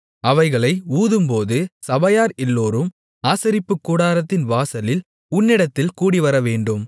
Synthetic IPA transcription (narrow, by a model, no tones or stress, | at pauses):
ɐʋɐɪɣɐɭɐɪuːðɯmpoːðɯsɐbɐjaːɾɛlːoːɾɯm | aːsɐɾɪpːɯkːuːɽaːɾɐt̪ːɪnʋaːsɐlɪl | ʊnːɪɽɐt̪ːɪlkuːɽiʋɐɾɐʋeːɳɖɯm